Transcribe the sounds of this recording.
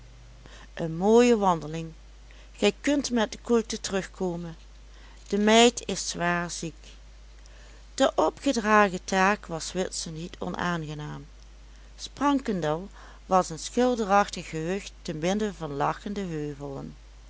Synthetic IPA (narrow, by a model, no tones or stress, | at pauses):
ʔənmoːjəʋɑndəlɪŋ | χɛjkɵntmɛt̚dəkultətərɵxkʰoːmən | d̥əmɛjtʰɪsːʋaːɹzik | d̥əʔɔpχədraːɣətaːkʋɑsʋɪtsənitʰɔ̰nʔa̰ːnɣənaːm | sprɑŋkəndəlˠ | ʋɑsənsχɪlˠdərɑxtəxəɦɵxtːənbɪndəvɑnlɑxəndəɦøːvəlˠə̰n